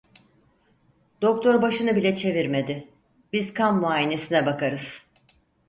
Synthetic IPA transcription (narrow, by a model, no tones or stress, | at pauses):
d̪̥o̞k̚t̪ʰoɾbaʃɯnɯbilʲɛt͡ʃʰe̞viɾme̞d̪ɪ | b̥izkʰammuaːjine̞sinɛbakaɾɯz̥